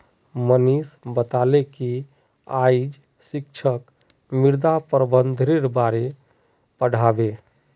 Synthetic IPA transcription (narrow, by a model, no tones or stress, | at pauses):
mənisbət̪aleki | a̰id͡ʒ | sikt͡ʃʰək | miɾd̪apɾəbənd̪ʱɾeɾbaɾe | pəɽ̤abe